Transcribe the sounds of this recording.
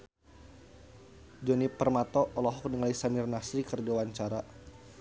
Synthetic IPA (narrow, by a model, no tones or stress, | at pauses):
d͡ʒɔnipərmat̪ɔʔːlɔɦɔk̚dəŋalisamɪrnasɾikərd͡ʒawaɲt͡ʃaɾa